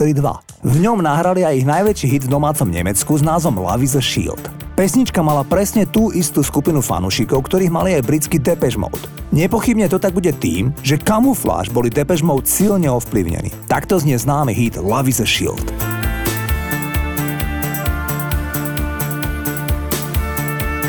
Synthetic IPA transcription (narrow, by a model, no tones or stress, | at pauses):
ɛlid̪ʋa̰ | vɲɔmnaɦɾaliajiɣnajʋɛt͡ʃiːɦid̪vd̪ɔmaːt͡sɔmɲɛ̰mɛt͡skuznaːzʋɔmla̰ʋizaʃḭlt̪ | pɛsɲit͡ʃkamalapɾɛsɲɛt̪uːʔist̪uːskupinufa̰nṵːʃikɔʊkt̪ɔɾiːɦma̰liajbɾit͡skid̪ɛpɛʒmɔ̰ʊt̪ɲɛpɔxibɲɛt̪ɔt̪aɡ̚buɟɛt̪ḭːmʒɛkamufla̰ːʒbɔlid̪ɛpɛʒmɔʊt̪silɲɛɔfplḭʊɲɛ̰nḭːt̪akt̪ɔzɲɪɛznaːmiɦid̪laʋizɛʃḭlt̪